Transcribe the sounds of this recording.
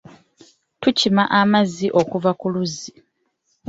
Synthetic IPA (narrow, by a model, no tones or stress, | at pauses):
tucimaʔamaziʔo̞kuvakuluzi